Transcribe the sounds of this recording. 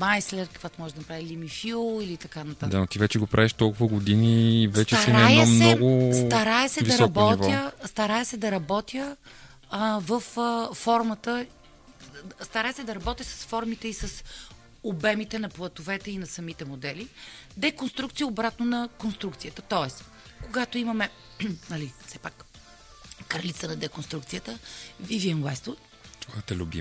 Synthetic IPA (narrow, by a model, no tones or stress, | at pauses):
majslɛɾkə̥kvat̪omɔʒɛd̪ɐnɐpɾavilimifilˠilit̪ɐkanɐt̪ad̪anot̪ivɛt͡ʃɛɡopɾʔaviʃt̪ɔlˠkʊvəɡod̪iniːvɛt͡ʃɛaɾɛnajsmnɛɔɡʊst̪ɐɾaɛsɛviɾɔɐbɔvjəst̪ɐɾajɛsɛd̪ɐɾɐbɔt̪ʰʲjə | vəfːɔɾmət̪ə | st̪ɐɾaɛsɛd̪ɐɾɐbɔt̪ʲjəsɐ̥sfɔɾmit̪ɛisəs | obɛmit̪ɛnɐplˠɐt̪ovɛt̪ɛinɐsɐmit̪ɛmod̪ɛlid̪ɛkonst̪ɾuk̚t̪sijəobɾat̪nonɐkonst̪ɾukt̪sijət̪ət̪ɔɛs | koɡat̪oimɐmɛ | nɐlifsɛpak | kɾlit̪sənɐd̪ɛkonst̪ɾukt̪sijət̪əviviɛnwɛst̪o | t̪ɔt̪ɛlʲʊ̰bʲḭ